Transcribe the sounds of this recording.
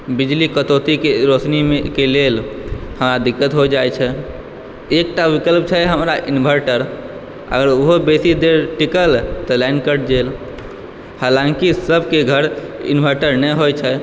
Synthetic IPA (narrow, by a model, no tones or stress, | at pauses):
bid͡ʒlikət̪ot̪ikeɾot͡ʃnimekelelhəmɾad̪ikːət̪ɦod͡ʒajt͡ʃʰɛ | ek̚ʈaʋikəlp̚t͡ʃʰɛɦəmɾaʔinbʱəɾʈəɾ | ə̰ɡəɾoɦobesid̪eɾʈikəlt̪əlɛɳɖkəɾʈd͡ʒel | halãŋkisəbʱkeɡʱəɾḭnbʱəɾʈəɾnɛɦojt͡ʃʰɛ